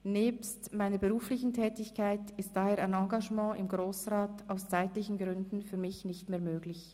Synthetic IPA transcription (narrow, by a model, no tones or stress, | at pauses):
nɛːpstmaɪnəbəʁuːflɪçn̩tʰɛːtɪçkʰaɪtɪst̚d̥aːheːɐaɪnɑ̃ːŋɡaʒmɑ̃ːʔɪmɡʁoːsʁaːtaʊst͡saɪtlɪçn̩ɡʁʏndn̩fyːɐmɪçnɪçtmeːɐmøːɡlɪç